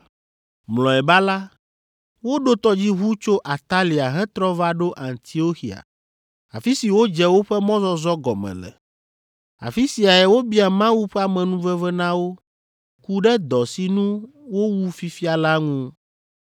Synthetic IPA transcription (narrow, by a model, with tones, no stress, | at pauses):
mlɔ˨ɛ˨ba˦la˦ | wo˦ɖo˦t̪ɔ˦d͡ʑi˦ɦu˦t͡ʃo˦ʔa˨t̪a˦li˨a˨ɦɛ˦t̪ɾɔ˦va˦ɖo˦ʔã˨nt̪ʰi˨o˦xi˨a̰˨ | a̰˨fi˦si˨wo˦d͡ʒɛ˦wo˦ɸɛ˦mɔ̃˦zɔ˦zɔ˦ɡɔ˨mɛ̰̃˨lɛ̰˨ | a̰˨fi˦si˨a˨ɛ˨wo˦bi˦a˨mã˦wu˦ɸɛ˦a˨mɛ̃˨nũ˦vɛ˦vɛ˦nã˦wo˦ | ku˦ɖɛ˦d̪ɔ˨si˨nũ˦wo˦wu˦fi˦fi˦a˨la˦ŋũ˦